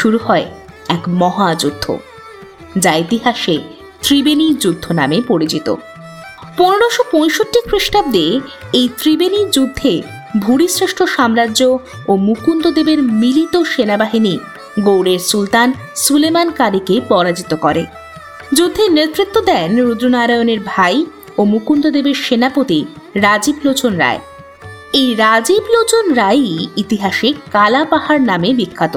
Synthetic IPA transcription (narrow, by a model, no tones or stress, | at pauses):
ʃuɾuhɔe | ɛkmɔɦad͡ʑud̪ʱːo̰ | d͡ʑaet̪iɦaʃe | t̪ɾibenid͡ʑud̪ʱːona̰mepoɾit͡ɕit̪o̰ | ponoɽoʃopõjʃoʈːikɾiʃʈab̚d̪eejt̪ɾibeniɾd͡ʑud̪ʱːe | bʱuɽisɾeʃʈʰoʃamɾadʑo | omukund̪od̪ebeɾmilit̪oʃenabaɦini | ɡowɽeɾsult̪an | sulemankaɾikepɔɾad͡ʑit̪okɔɾḛ | d͡ʑud̪ʱːeneɾt̪ɾit̪ːod̪ɛnɾud̪ɾonaɾajoneɾbʱaj | omukund̪od̪ebeɾʃenapot̪i | ɾad͡ʑiblot͡ɕonɾa̰e | ejɾad͡ʑiblot͡ɕonɾajiit̪iɦaʃekalapaɦaɾnamebikʰːat̪o